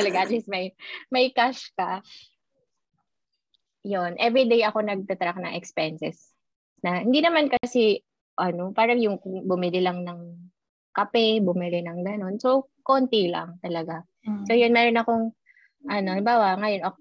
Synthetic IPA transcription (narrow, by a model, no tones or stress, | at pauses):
t̪ɐlɐɡaʔɐt̪lismɐjmɐjkaʃkɐ | jonʔɛvɹid̪ejɐko̞nɐɡ̚t̪ɐt̪ɾak̚nɐŋʔɛkspɛnsɛs | nɐhɪnd̪inɐmankɐsɛ | ʔɐno̞paːɾɐŋjʊŋbʊmɪlɪlɐŋnɐŋ | kɐpɛbʊmɪlɪnɐŋɡɐno̞nso | ko̞nt̪ilɐ̰ŋt̪ɐlɐɡa | so̞jʊnmɛɾo̞nɐko̞ŋ | ʔɐnoalɪmbaːwɐʔŋɐjo̞nʔo